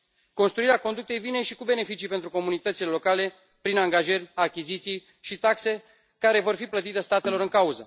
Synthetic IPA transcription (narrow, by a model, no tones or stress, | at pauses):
ko̞nst̪ɾuiɾeakond̪uk̚t̪e̞jvine̞ʃikube̞ne̞fit͡ʃijpe̞nt̪ɾuko̞munit̪ət̪silelokale̞ | pɾinaŋɡaʒerʲakʲizit̪sij | ʃit̪akse̞ | kaɾe̞vo̞rfiplət̪it̪est̪at̪e̞lo̞ɾɨŋkauzə